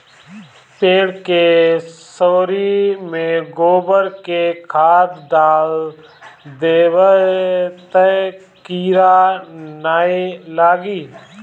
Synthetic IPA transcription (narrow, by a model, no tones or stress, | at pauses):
peːɽkesoːɾimẽɡoːbəɾkekʰaːd̪ɖaːl | d̪eːwə | t̪ə | kiːɾanaːelaːɡiː